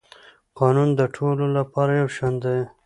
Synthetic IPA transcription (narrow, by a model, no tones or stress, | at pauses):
qɑnund̪əʈʰololapɑɾajawʃɑnd̪e